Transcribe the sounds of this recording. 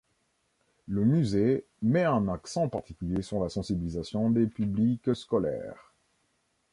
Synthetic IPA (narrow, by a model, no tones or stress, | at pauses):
ləmyze | mɛɛ̃naksɑ̃paʁt̪ikʲyljesyʁlasɑ̃sibilizasjɔ̃d̪epyblikskɔlɛ̰ːʁ